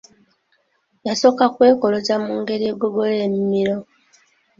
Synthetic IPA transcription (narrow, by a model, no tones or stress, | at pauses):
jaso̞ːkakwe̞ːko̞lo̞zamuːŋɡe̞ɾieɡoɡo̞le̞ːmimiɾo